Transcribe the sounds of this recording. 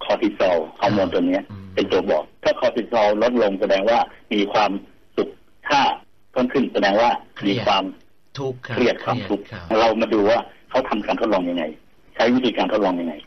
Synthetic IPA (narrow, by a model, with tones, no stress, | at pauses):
kʰɔː˧˩sʰi˨˧t̪̚sɔː˧wkʰaː˧˩moː˧nt̪ənːi˦˥ɐpe˧nt̪u˧˩ɐbɔ̰ː˨˩k̚t̪ʰaː˥˩kʰɔː˧˩t̪ʰi˨˩t̪̚sɔː˧wlo˦˥t̪̚lo˧ŋsa˧dɛː˧ŋwaː˥˩miː˧kʰwaː˧m | su˨˩k̚ | t̪ʰaː˥˩ | t̪ʰɔː˥˩˨nkʰɯ˥˩nsa˧dɛː˧ŋwaː˥˩miː˧kʰwaː˧mʰ | kʰɾi˨˩ət̪̚kʰwaː˧mt̪ʰu˦˥k̚ɾa˧wmaː˧duː˧waː˥˩kʰa˦˥wt̪ʰa˧mkaː˧nt̪ʰo˦˥t̪lɔː˧ŋja˧ŋːa̰˧j | t͡ɕʰa˦˥jwiː˦˥˩i˨˩kaː˧t̪ʰo˦˥lɔː˧ŋja˧ŋa˧j